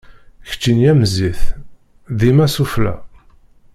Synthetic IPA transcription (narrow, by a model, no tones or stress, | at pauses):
çə̥t͡ʃːinjæmziθ | ðimæsuflæ̰